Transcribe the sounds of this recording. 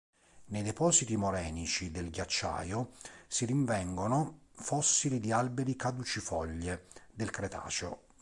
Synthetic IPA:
nejd̪ɛpɔːzit̪imoɾɛːnit͡ʃid̪elɡjat͡ʃːa̰ːjosiɾiɱvɛŋɡonofɔsːilid̪ialbeɾikad̪ut͡ʃifɔʎːed̪elkɾet̪ʰa̰ːt͡ʃo̰

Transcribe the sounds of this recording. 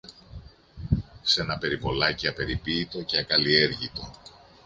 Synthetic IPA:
se̞nɐpe̞ɾipo̞lɐciɐpe̞ɾipiːt̪o̞ceɐkɐlie̞ɾʝit̪o̞

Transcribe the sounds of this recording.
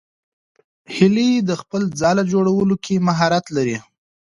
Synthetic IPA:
hɪlijed̪əxpəld͡zɑlad͡ʒoɽawəlokʰemaɦɑɾat̪laɾi

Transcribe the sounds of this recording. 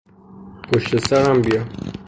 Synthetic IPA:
pʰoʃt̪esæɾæmbijɒm

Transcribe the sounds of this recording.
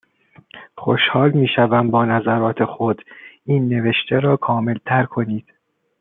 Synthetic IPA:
xoʃhɒːlmiːʃævæmbɒːnæzæɾɒːt̪ʰe̞xod̪̥iːnːe̞ve̞ʃt̪ʰeɾɒːkʰɒːme̞lt̪ʰæɾkʰo̞niːd̪̥

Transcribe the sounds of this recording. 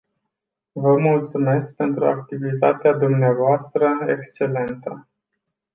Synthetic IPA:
vəmult̪sume̞sk̚pe̞nt̪ɾua̰k̚t̪ivit̪a̰t̪ead̪umneavoast̪ɾəḛkst͡ʃe̞le̞nt̪ə

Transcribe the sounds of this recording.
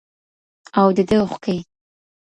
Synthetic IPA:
awd̪əd̪əxkai

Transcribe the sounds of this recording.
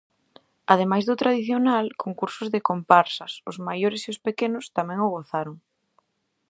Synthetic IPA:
aðemajzðʊt̪ɾaðiθjonalkoŋkuɾsʊzðɪkompaɾsɐsʊzmajoɾɪsiʊspekenʊst̪amɛ̃ŋʊɣoθaɾʊŋ

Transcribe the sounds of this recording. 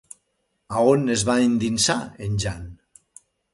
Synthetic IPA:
aonezβaind̪insa̰enʲʒan

